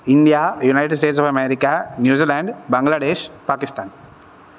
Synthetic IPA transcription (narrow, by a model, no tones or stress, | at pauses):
ind̪ijaːjunaɪʈeɖs̬ʈeːʈsɔfɐmeɾikanjuːziːlãːɳɖbɐ̃ŋɡlaːɖeːʃpaːkisʈaːn